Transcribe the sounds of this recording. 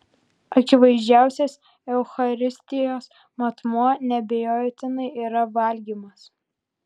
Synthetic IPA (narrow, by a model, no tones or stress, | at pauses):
ɐkʲɪʋɐɪʒʲd͡ʒʲæˑʊsʲɛːs | ɛʊxɐɾʲɪsʲt̪ʲɪjoːs | mɐt̪muɔnʲɛbʲɛjoːjt̪ʲɪnɐɪiːɾɐʋɐlʲɡʲiːmɐs